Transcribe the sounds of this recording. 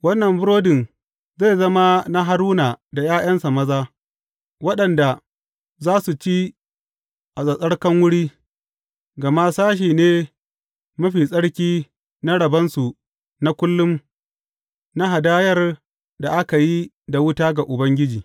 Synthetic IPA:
wɐ˦nːɐ˨mbʊ˦ɾoː˦dɪ˨n | ze˦˨zɐ˦ma˦na˦ɦa˦ɽuː˦naː˨da˨jaː˦j̰ɐ˦nsa˨mɐ˦zaː˦ | wɐ˦ɗɐ˨nda˨ | zaː˦su˨t͡ʃi˦ | ʔa˨sʼɐ˨sʼɐ˦ɽkɐ˦ŋwʊ˦ɽiː˦ | ɡɐ˨ma˦saː˦ʃ̬iː˨neː˦ | mɐ˦ɸiː˨sʼɐ˦ɽkʲiː˦ | na˦ɽɐ˨bɐ˦nsu˨ | na˦kʷʊ˦lːʊ˦m | na˦ɦa˨daː˦jɐ˦r | da˨ʔa˦ka˨ji˦ | da˨wʊ˦taː˦ɡa˨ʔʊ˨bɐ˦ŋɡʲɪ˦d͡ʒiː˨

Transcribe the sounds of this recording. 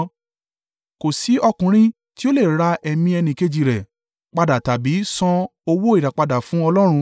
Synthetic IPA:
ko˨si˨˦ɔ˧kũ˨ɾ̃ĩ˦ | ti˦o˦le˦˨ɾa˧ʔɛ˧mĩ˧ɛ˧nĩ˧˨ke˧d͡ʒi˧˨ɾɛ˨ | k͡pa˧da˨ta˨bi˨˦sɔ̃˧o˧wo˦i˨ɾa˨k͡pa˧da˨fũ˨˦ɔ˧lɔ˦ɾ̃ũ˧

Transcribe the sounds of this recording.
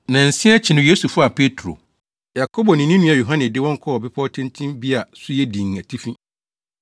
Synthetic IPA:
nã˨n̩˨sɪ̃˦a˦t͡ɕʰɪ˨nʊ̃˦je˦su˨fʊ˦a˨pʰe˦tʰɾo̰˨ | ja˨kʰɔ˦bɔ˨nɪ̃˨nĩ˦nũ˦a˨jo˨ɦã˦nɪ̃˨dɪ˦wɔ̃˦ŋ̩˦kʰɔ˦ɔ˨bɪ˦pʰɔ˦tʰɛ̃˦ntʰĩ˦mbi˦a˨sʊ˦jɛ˦dĩ˨ŋ˨æ˨tʰi˦fĩ˦

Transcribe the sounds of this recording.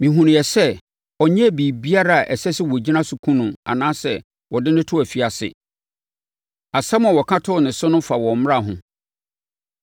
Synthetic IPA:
mĩ˨ɦũ˨nɪ̃˨jɛ˨sɛ˦ | ɔ˨ɲɛ̃˦˨biː˨bi˦a˦ɾa˨a˨ʔɛ˨sɛ˦sɪ˦wɔ˨d͡ʑi˦nã˦sʊ˨kʰũ˦nʊ̃˨a̰˨nãː˦sɛ̰˦˨ | wɔ˨dɪ˦nɪ̃˦tʰʊ˦æ˨fi˨a˨sɪ̰˨ | a˨sɛ˦mʊ̃˨wɔ˨kʰã˦tʰʊ˦˨nɪ̃˨sʊ˦nʊ̃˦fa˨wɔ̃˨m̃˦ɾa˦˨ɦʊ̰̃˨

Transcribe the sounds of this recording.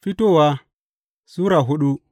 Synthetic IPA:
fi˦to˦˨wa˦ | su˦ɾa˨ɦu˦ɗu˦

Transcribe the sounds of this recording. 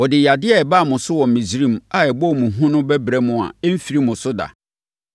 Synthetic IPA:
wɔ˨dɪ˨ja˨dɪ˦ɛ˦˨ɛ˨ba˦˨mʊ̃˨sʊ˦wɔ̃˨m̩˨mĩ˨zɾĩ˦˨ma˨ɛ˨bɔ˦˨mũ˨ɦũ˦nʊ̃˦bɛ˦bɾɛ˦mʊ̃˨a̰˨ɛ˦m̩˦fi˨ɾi˦mʊ̃˨sʊ˦da̰˨

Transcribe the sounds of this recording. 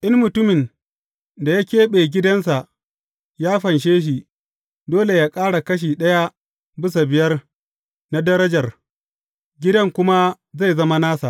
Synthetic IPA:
ʔɪ˦nmʊ˨tʊ˦mɪ˨n | da˨ja˦kʲeː˦ɓeː˨ɡʲɪ˦dɐ˦ns̬a˨ʔ | jaː˦ɸɐ˨nʃ̬eː˦ʃ̬i˨ | doː˦le˨jaː˦kʼaː˦ɽa˨kɐ˦ʃ̬iː˨ɗɐ˦ja˦ | bɪ˦s̬a˨bɪ˨jɐ˦r | na˦dɐ˦ɾɐ˦d͡ʒɐ˨r | ɡʲɪ˦dɐ˦ŋkʷʊ˦ma˦ | za˦˨jzɐ˦ma˦naː˦sa̰˨ʔ

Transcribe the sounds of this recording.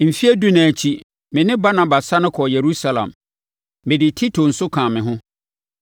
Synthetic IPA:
m̩˨fi˦e˦du˦nã˨t͡ɕʰi˦ | mɪ̃˨nɪ̃˦ba˦nã˨ba˨sa˦nʊ̃˦kʰɔ˨je˨ɾu˦sa˦lã̰˨mː | ɪ̃˨dɪ˨tʰi˦tʰo˨n̩˨sʊ˦kʰãː˨mɪ̃˨ɦʊ̃˦

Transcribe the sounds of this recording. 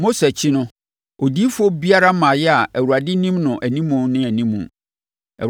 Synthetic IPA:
mo˦sɛ˨t͡ɕʰɪ˦nʊ̃˦ | o˨di˦fu˦o˦bi˦a˦ɾa˦mã˨jɛ˦a˨ʔæ˨wu˨ɾa˨dɪ˦nĩ˦mnʊ̃˨ʔæ˨nĩ˦mũ˨˦nɪ̃˦æ˨nĩ˦mṵ̃˨ | æ̰˨

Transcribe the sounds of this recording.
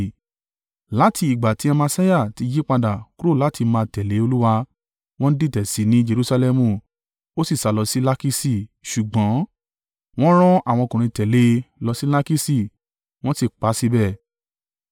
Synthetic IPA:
la˨˦ti˧i˨ɡ͡ba˨ti˨˦a˧mã˧sa˦ja˦˨ti˨˧d͡ʒi˦k͡pa˧da˨ku˦ɾo˦˨la˨˦ti˧˦mãː˧tɛ˨le˨˦o˧lu˦wa˧ | w̃ɔ̃˦n̩˦di˦˨tɛ˨si˨˦nĩ˦d͡ʒe˧ɾu˦sa˧lɛ˧mũ˧˨ | o˦si˦˨sa˨˧˦lɔ˧si˦la˦ki˦si˦˨ʃu˨ɡ͡bɔ̃˨˦ | w̃ɔ̃˦ɾ̃ɔ̃˦a˦˨w̃ɔ̃˧kũ˨ɾ̃ĩ˧tɛ˨le˨˧lɔ˧si˦la˦ki˦si˦˨ | w̃ɔ̃˦ti˦˨k͡pa˨˦si˦bɛ˦˨

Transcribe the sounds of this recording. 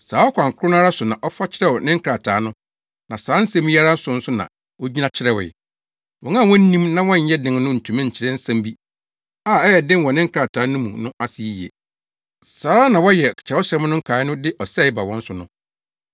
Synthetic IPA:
saː˨˦ɔ˦kʷʰã˨ŋ˨kʊ˦ʊ̃˦n˦a˦ɾa˦sʊ˨nã˨ʔɔ˦fa˦t͡ɕʰɪ˦ɾɛ˦wɔ˨nɪ̃˦ŋ̩˦kʰɾa˨tʰaː˨˦nʊ̃˦ | nã˨saː˨˦n̩˦sɛ̃˦m˦a˦ɾa˦n̩˦sʊ̃˨˦n̩˦sʊ˦nã̰˨ | wo˦d͡ʑi˦nã˦t͡ɕʰɪ˦ɾɛ˦wɛ̰˨ | wɔ̃˨ŋã˦˨wɔ̃˦n̩˦nĩ˦mnã˦wɔ̃˦ɲ̩˨˦jɛ˦dɪ̃˨ŋ˦nʊ̃˦n̩˨tʰũ˨mã˦ɲ̩˨t͡ɕʰɪ˦ɾɛ̃˦n̩˦sã˦mbi˦ | aː˦˨ɛ˦jɛ˨dɪ̃˦nwɔ̃˨nɪ̃˦ŋ̩˦kʰɾa˨tʰaː˨˦nʊ̃˦mṵ̃˨nʊ̃˦ʔa˦sɪ˨i˦˨ji˨ḛ˨ | saː˨˦ɾa˦nã˨wɔ˦jɛ˨kt͡ɕʰa˦ʊ˦ɕɛ˦mnʊ̃˦ŋ̩˦kʰaː˨˦ɪ˦nʊ̃˦dɪ˦ʔɔ˨sɛ˦˨ɪ˦ba˨wɔ̃˦n̩˦sʊ˨nʊ̃˦

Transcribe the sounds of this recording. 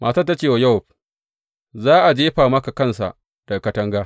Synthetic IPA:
mʔaː˨ta˦˨tːa˦t͡ʃeː˦˨wa˨jɐ˦ʊ˨ɸ̚ | zaː˦ʔa˨d͡ʒeː˦ɸaː˨mɐ˦ka˨kɐ˦˨nsa̰˨ʔ | d̥ɐ˨kɐ˦tɐ˦ŋɡaː˦

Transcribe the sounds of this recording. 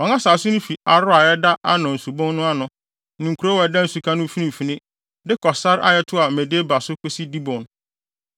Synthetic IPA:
ɔ˨ŋã˦saː˨sʊ˦nʊ̃˦fi˨a˨ɾʊ˦a˨jɛ˦da˦ʔa˦nʊ̃˨n̩˨su˨bɔ̃˦nːʊ̃˦a˦nʊ̃˨ | nũ˨kʰu˨ɾo˦wɛ˨dã˦n̩˨su˨kʰã˦nʊ̃˦fi˦nĩ˨fi˨nɪ̃˦ | dɪ˦kʰɔ˨sa˦ɾʔa̰˦jɛ˦tʰʊ˦a˨me˨deː˦ba˨sʊ˦kʰʊ˦si˦di˦bɔ̃˨n

